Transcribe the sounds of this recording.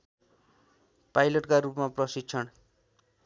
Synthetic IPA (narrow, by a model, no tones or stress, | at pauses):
pajlʌʈkaɾupmaprʌsid̪̚t͡sʰʌn